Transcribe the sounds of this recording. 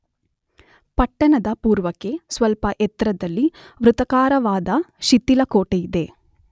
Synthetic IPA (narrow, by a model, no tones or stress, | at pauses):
pɐʈːɐɳɐd̪ɐpuːɾʋɐke̞sʋɐlpɐʔɛt̪ɾɐd̪ɐlːiʋɾut̪ɐkaːɾɐʋaːd̪ɐʃit̪ːilɐkoːʈejid̪e̞